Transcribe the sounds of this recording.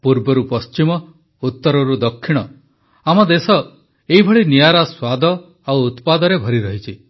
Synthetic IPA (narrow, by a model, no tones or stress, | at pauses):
puɾbɔɾupɔst͡ʃimɔ | ut̪ːɔɾɔɾud̪ɔkʰːiɽ̃ɔ | amɔd̪esɔ | eɦibʱɔɭinijaɾaswad̪ʱɔ | awːt̪pad̪ɔɾebʱɔɾiɾɔɦit͡ʃʰi